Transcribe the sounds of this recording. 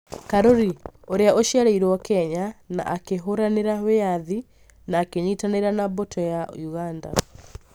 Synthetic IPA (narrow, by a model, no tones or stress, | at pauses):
kaɾoɾioɾeaʔoʃjaɾeiɾwɔkɛɲana̰ʔːkeɦoɾaneɾaweaði | naːkeɲitaneɾanabotʰɔjajuɣanda̰